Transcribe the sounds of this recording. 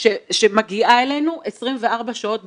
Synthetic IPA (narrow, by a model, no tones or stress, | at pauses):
ʃeʃemaɡiʔae̞le̞jnuʔesʁimve̞aʁbaʃao̞t̪̚